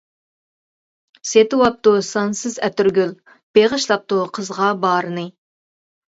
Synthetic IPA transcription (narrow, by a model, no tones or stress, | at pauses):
set̪ɨwɑp̚t̪usɑnsɨzɛt̪yɾɡʲyl | b̥eʁəʃlˠɑp̚t̪uqʰəzʁɑbɑːɾɨnɨ